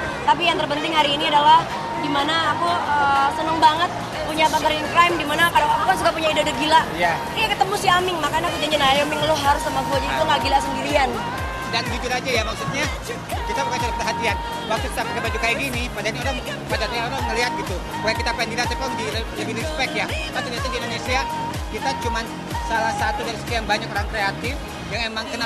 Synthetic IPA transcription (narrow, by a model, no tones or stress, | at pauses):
t̪ap̬ijaŋt̪ərpənt̪ɪŋhaɾiːniadalah | dimanaːkuəsənəŋbaŋət̪̚ | puɲabat̪əɾinkɾajmdimanakadawak̚t̪ukansudapuɲaidadəɡilaja | jakət̪əmusiamɪŋmakanakud͡ʒaɲd͡ʒanajamɪŋloɦaɾʊsamaɡuad͡ʒadit̪uŋɡaɡilasəndiɾian | danɡid͡ʒʊt̪ad͡ʒajamaksut̪̚ɲa | kit̪abukat͡ʃalapərɦat̪ian | mak̚sʊt̪̚kit̪apəkabad͡ʒukaiɡinipadanoɾaŋ | padat̪ɲaoɾaŋəliɦat̪̚ɡit̪u | bakakit̪apandinat̪ɛpɔŋdiləbinispɛk̚t̪jakat̪udiat̪adindonesia | kit̪at͡ʃuman | salahsat̪udaɾisə̥t̪iaŋbaɲakoɾaŋkɾeat̪ɪf | jaŋemaŋkəna